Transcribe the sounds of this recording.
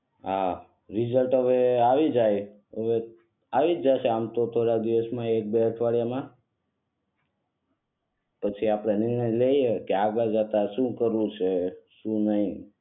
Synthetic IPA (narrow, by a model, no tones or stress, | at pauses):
a | ɾizəlʈɦəʋeaʋid͡ʒaj | əʋe | aʋid͡ʒd͡ʒaʃeamt̪ot̪ʰoɽad̪iʋəsmãek̚beəʈʰʋaɽijamã | pət͡ʃʰiapɽ̃enɪɾnəjleijekeaɡad͡ʒat̪aʃũkəɾũt͡ʃʰeʃũnəɦĩ